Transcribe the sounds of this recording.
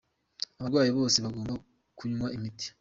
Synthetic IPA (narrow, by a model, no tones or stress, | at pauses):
aβaɾɡwaːjiβo̞ːseβaɡo̞ːmba | kuɲumaʔimiti̥